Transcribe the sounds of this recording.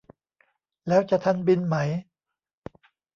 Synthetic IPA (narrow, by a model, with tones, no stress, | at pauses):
lɛː˦˥wt͡ɕa˨t̪ʰa˧nbi˧nma˦˥j